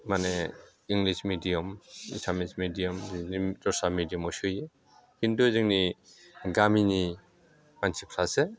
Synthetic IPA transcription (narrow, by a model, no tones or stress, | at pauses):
mane | iŋlismidijɔmḭsʰamismidijɔmzinitɔsamidijɔmɔsuje | hinduziŋniɡamini | mansʰipʰɾase